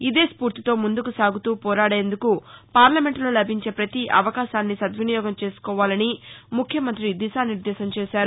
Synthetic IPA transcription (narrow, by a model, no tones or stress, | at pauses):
id̪e̞ːspuːɾt̪it̪o̞ːmund̪ukusaːɡut̪uːpɔːɾaːɽeːnd̪ukupaːɾlɐme̞ɳʈlo̞ːlɐbʱiɲt͡ʃe̞ːpɾɐt̪iʔɐ̰ʋɐkaːʃaːnːisɐd̪ʋinijɔːɡɐmt͡ʃe̞ːsu̥kɔːʋaːlɐnimukʰjɐmɐnt̪ɾid̪iʃaːniɾd̪ɛːsɐmt͡ʃeːʃaːɾu